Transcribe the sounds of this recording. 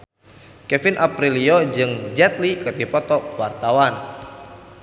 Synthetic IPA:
kɛfinʔapɾiliod͡ʒɨŋd͡ʒɛt̪likət̪ipɔt̪ɔwart̪awan

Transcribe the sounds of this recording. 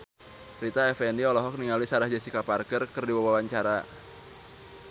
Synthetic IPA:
ɾit̪aɛfɛndiɔlɔɦɔk̚niŋalisaɾahd͡ʒasikaparkərkərdiwawawaɲt͡ʃaɾa

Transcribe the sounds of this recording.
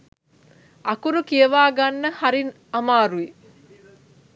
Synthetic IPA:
ɐkuɾukiəʋaːɡanːəhaɾin | amaːɾui

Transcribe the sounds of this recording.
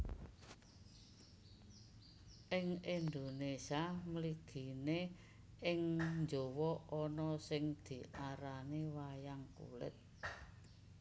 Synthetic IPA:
ʔɪŋind̪onesiamliɡ̥i̤ne | ɪŋɲd͡ʒowɔɔnɔsɪŋd̪̥i̤ʔaɾanewajaŋkṵlɪ̰t̪̚

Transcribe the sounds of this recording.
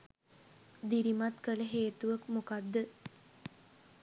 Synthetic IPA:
d̪iɾimat̪kələɦeːt̪uʋəkmokad̪ːə

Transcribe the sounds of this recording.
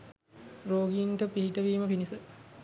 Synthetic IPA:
ɾoːɡinʈəpiɦiʈəʋiːməpinisə

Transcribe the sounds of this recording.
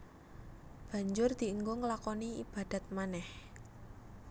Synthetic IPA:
b̥ä̤ɲd͡ʒʊrd̪̥i̤əŋɡoŋəlakɔniib̥a̤d̪̥a̤t̪̚manɛh

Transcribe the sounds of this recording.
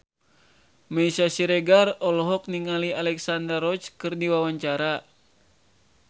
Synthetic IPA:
mɛisasiɾeɡarɔlɔɦɔk̚niŋalialɛksandərɔt͡ʃkɨrdiwawaɲt͡ʃaɾa

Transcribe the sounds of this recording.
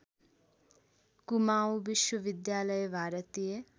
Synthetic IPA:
kumaːubɪʃwəʋɪd̪jaːləjbʱaːɾət̪ie

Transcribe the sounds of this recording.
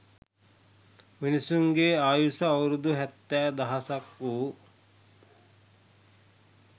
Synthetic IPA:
ʋinisuŋɡeaːjusɐːwɾud̪uɦɛt̪ːæːd̪ɐɦɐsɐku

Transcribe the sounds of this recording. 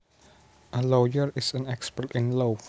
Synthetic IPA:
ʔəlojəɹɪsə̃nɛkspəɹtɪ̃nlof

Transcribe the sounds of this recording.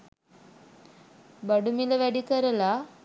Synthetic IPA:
bəɽumiləʋaɽikəɾəla

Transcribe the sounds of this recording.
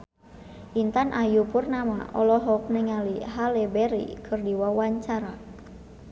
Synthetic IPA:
ʔint̪anʔajupurnama̰ʔɔlɔɦɔk̚nɛŋaliɦalebɛɾḭkʰɨrdiwawaɲt͡ʃaɾa

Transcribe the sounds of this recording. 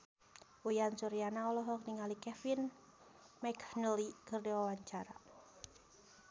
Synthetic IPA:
ujansuɾijanaɔlɔɦɔk̚niŋalikɛfin | mɛknəlikərdiwawaɲt͡ʃaɾa

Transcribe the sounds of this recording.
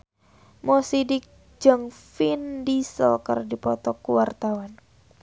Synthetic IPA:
mɔsidɪk̚ | d͡ʒəŋfindisə̰lkərdipɔt̪ɔkuwart̪awan

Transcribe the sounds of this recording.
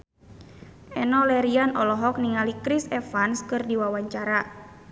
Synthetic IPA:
ʔɛnɔlɛɾianɔlɔɦɔk̚niŋalikɾisɛfanskɨrdiwawaɲt͡ʃaɾa

